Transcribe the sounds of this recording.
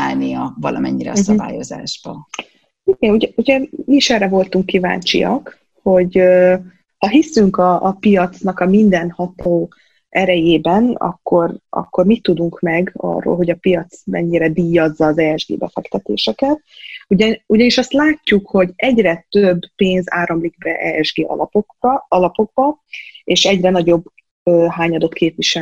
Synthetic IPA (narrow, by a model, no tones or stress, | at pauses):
aːlnijɒvɒlʔɒmɛɲːiɾɛ̰sɒba̰ːjo̞za̰ːʒbɒ | iɡɛnuɟɛuɟɛmiiʃɛrɛvo̞lt̪uŋkːiva̰ːɲt͡ʃḭjɒ̰k | ho̞ɟø | hɒɦisyŋkɒʔːpijɒt̪snɒkɒmind̪ɛnhɒt̪oː | ɛɾɛjeːbɛnɒ̰kːo̞rɒ̰kːo̞rmit̪ːud̪uŋkmɛɡɒ̰rːo̰ːlɦo̞ɟɒpijɒt̪smɛ̰ɲːiɾɛd̪iːjːɒzːɒːzɛːɛʒɡḛːbɛ̰fɛkt̪ɛt̪ḛːʃɛkɛt̪uɟuɟɒniʃɒst̪laːcːukho̞ɟɛɟrɛt̪øbːpeːnza̰ːɾɒmliɡ̚bɛʔɛɛʒɡḛː | ɒlɒpo̞ɡ̚bɒ | eːʃɛɟrɛnɒɟo̞bː | øːɦaːɲɒd̪ot̪kʰeːpʋiʃɛ